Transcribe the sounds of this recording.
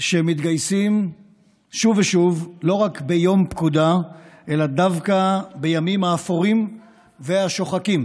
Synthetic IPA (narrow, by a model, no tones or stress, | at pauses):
ʃemit̪ɡajsim | ʃuveʃuvlo̞ʁakbe̞jo̞mpkud̪aʔe̞lad̪avkabe̞jamimhaːfoʁim | ve̞aʃo̞χakim